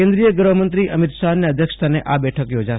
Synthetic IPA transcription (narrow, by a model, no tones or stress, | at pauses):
ẽnd̪ɾijəɡɾʋəmənt̪ɾiʔəmit̪ʃanːeəd̪ʱjəkʂə̥t̪ʰaneʔabɛʈʰəkjod͡ʒa